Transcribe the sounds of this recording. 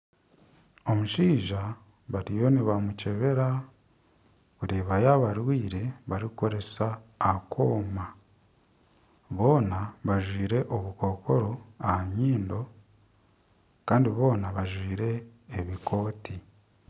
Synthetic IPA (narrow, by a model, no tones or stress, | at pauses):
o̞muʃiːʒa | βaɾijo̞niβamuce̞βe̞ɾa | βuɾiːβajaβaɾwiːɾe̞βaɾiko̞ɾe̞saːkʰo̞ːma | βo̞ːnaβaʒwiːɾe̞ʔoβuko̞ko̞ɾo̞ahaɲiːndo̞ | kaːndiβo̞ːnaβaʒwiːɾe̞ː | βikʰo̞ːti